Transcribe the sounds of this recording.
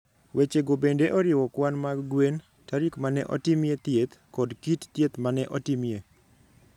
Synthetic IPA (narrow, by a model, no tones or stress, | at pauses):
wʔet͡ʃeɡobendeʔɔɾɪwɔkwanmaɡwen | taɾikmanɛ̰ʔɔ̰timjet̪jet̪kɔdkitt̪jet̪manɛʔɔtimje